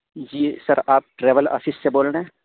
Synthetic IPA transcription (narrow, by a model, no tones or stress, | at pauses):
d͡ʒiːsəɾaːp̚ʈɾɛːʋələ̰sɪsseboːlɽɛ̃ː